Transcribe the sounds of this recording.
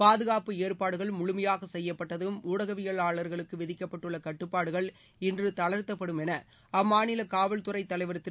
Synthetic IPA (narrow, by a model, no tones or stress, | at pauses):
paːðɯɣaːpɯeːɾpaːɽɯɣɐɭmʊɻʊmɐjaːɣɐsɛjːɐpːɐʈːɐðɯmuːɽɐɣɐʋɪɣɐɭaːɭɐɾɣɐɭɯkːɯʋɪðɪkːɐpːɐʈːɯɭːɐkɐʈːɯpːaːɽɯɣɐɭ | ɪndrɯt̪ɐɭɐɾt̪ːɐpːɐɽɯmɛnɐ | ɐmːaːnɪlɐkaːʋɐlt̪ʊrɐɪt̪ːɐlɐɪʋɐɾɯt̪ːɪ